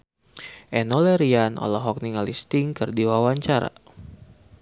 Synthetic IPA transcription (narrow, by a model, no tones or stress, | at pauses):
ʔɛnɔlɛɾianɔ̰lɔɦɔk̚niŋalist̪iŋkɨrdiwawaɲt͡ʃaɾa̰